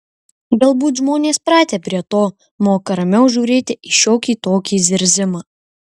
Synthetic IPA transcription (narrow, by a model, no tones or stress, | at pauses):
ɡɐlˠbuːt̪ʒmoːnʲeːspɾɑːt̪ʲeːpʲɾʲiɛt̪oː | moːkɐɾɐmʲɛʊʒʲuːɾʲeːt̪ʲɪʔɪʃʲoːkʲiːt̪oːkʲiːzʲɪɾʲzʲɪmɑː